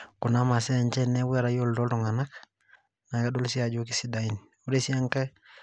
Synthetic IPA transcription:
ku˨na˦ma˨sɛ˦˨ɲt͡ʃɛ˦nɛ˦we˦ɾa˨jo˦ldɔ˦ldɔ˨ŋa˨na˦k | na˨ka˦do˦lsi˦a˨d͡ʒo˦k̬i˦si˦da˨i˨n | u˦ɾe˦si˦a˦ŋkɛ˦

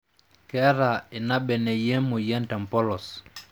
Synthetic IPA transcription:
kɛ˦ɾa˨i˨na˦ɓɛ˨nɛ˨jɛ˦mu˨jɛ˦nta˨mpɔ˦lɔ˨s

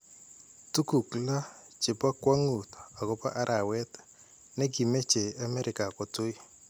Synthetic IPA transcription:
tu˦ku˨kla˦ | t͡ʃɪ˨pa˦kwa˦ŋu˨ta˨ɡɔ˦pa̰˦ʔa˦ɾʔa˨wɛ˦t | nɛ˦ɡi˨me˦t͡ʃe˨a˨mɛ˦ɾɪ˨ka˨kɔ˨tu˦i˦

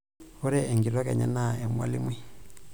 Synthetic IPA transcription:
ɔ˦ɾɛ˦ɛ˨ŋɡi˨ɾwa˦kɛ˨ɲɛ̰˦na˦˨ɛ˨mwa̰˦li˦mwi˦

